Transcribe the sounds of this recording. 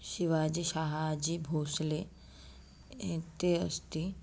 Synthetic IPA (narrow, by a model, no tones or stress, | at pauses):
ɕiʋad͡ʑiʃaɦad͡ʑiːbʱoːsle | ẽt̪eəst̪i